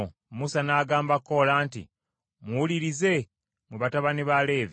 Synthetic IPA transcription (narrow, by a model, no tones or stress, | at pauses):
musanaːɡaːmbakːo̞laːntḭ | muwuliɾize̞ | mweβataβaniβale̞ːvi